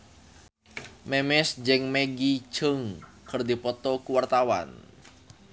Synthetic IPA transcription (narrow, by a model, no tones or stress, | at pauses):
mɛmɛsd͡ʒɛŋmeɡi̥d͡ʒəŋ | kərd̪ipɔt̪ɔkuwart̪awa̰n